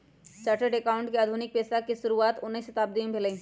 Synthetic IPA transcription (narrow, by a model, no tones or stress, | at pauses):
t͡ʃaːʈəɖekaːʊ̃ɳʈkeaːd̪ʱunɪk̚peːsakiʃʊɾuaːt̪ʊnːisʃɐt̪aːb̚d̪iẽbʱeləĩː